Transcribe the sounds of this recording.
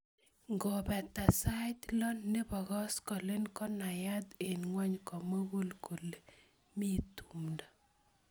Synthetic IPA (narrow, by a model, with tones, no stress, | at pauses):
ŋɡɔ˨bɛ˨t̪a˨sa˦t̪lɔ˦nːe˦bɔ˨ɣɔ˦skɔ˨le˦nkɔ˦na˨ja˦d̪e˨nŋwɔ˦ɲkɔ˨mo˦ɣo˦lko˨le˨ | mi˦tu˨mda˨